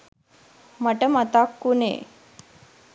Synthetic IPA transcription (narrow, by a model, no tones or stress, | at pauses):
maʈəmat̪akːunḛː